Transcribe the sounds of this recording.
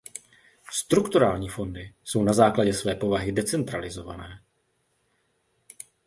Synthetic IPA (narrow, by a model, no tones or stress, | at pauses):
st̪ɾukt̪uɾaːlɲiːfo̞ndɪso̞wnazaːklaɟɛsvɛːpo̞vaɦɪdɛt͡sɛnt̪ɾalɪzo̞va̰nɛː